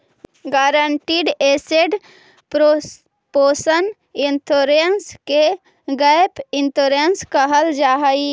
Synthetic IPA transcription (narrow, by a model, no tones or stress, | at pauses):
ɡaːɾəɳʈiːɖeːseɖ | poːsən | ɪnt̪ʰoɾenske | ɡəjpɪnt̪oɾenskəɦəld͡ʒaːɦai